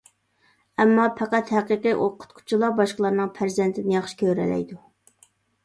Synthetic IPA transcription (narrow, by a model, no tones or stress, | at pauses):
ɛmːɑpʰæqæt̪hæqəqɨʔoqʰʊ̥t̪kʰʊ̥t͡ʃʰilˠɑbɑʃqəlˠɑɾnɨŋpʰæɾzɛnt̪ʰɪnɪjɑχʃɪ̥kʲʰøɾɛ̰lɛ̰jd̪u